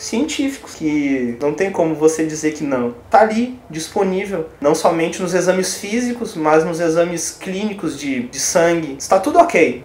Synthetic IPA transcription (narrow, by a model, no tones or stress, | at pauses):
siẽnt͡ʃifi̥kʊ̥skɪnɐ̃w̃t̪ẽj̃kõmʊvosed͡ʒizeɾkɪnɐ̃w̃t̪aalid͡ʒisponivewnɐ̃w̃sɔmẽnt͡ʃɪnʊzezɐ̃mɪsfizikʊsmɐznʊzezɐ̃mɪsklĩnikʊzd͡ʒɪd͡ʒɪsɐ̃ɡɪɪst̪at̪ud̪ʊokej